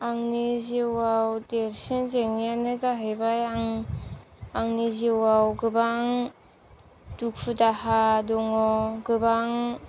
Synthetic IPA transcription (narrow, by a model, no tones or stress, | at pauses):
aŋniziwawdeɾsinzeŋijanɯzaɦajbajaŋ | aŋniziwawɡɯbaŋ | duk̚pʰɯdahadɔŋɔɡɯbaŋ